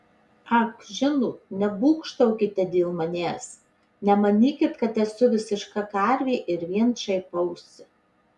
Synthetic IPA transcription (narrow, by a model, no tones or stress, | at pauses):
ɐkʒʲɪnuːnʲɛbuːkʃt̪ɐʊkʲɪt̪ʲɛd̪ʲeːlˠmɐnʲeːs | nʲɛmɐnʲiːkʲɪt̪kɐt̪ɛsʊʋʲɪsʲɪʃkɑkɑɾʲʋʲeːʔɪɾʋʲiɛnʃɐɪpɐʊsʲɪ